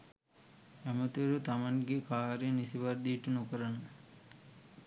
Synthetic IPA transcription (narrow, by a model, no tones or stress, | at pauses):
æmət̪uɾut̪amaŋɡekaːɾenisiʋɐɾd̪ijʈunokəɾanu